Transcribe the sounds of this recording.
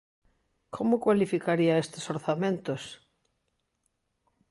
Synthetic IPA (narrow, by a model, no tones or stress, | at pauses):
kʰomʊkwalifikaɾiaest̪esoɾθamẽnt̪os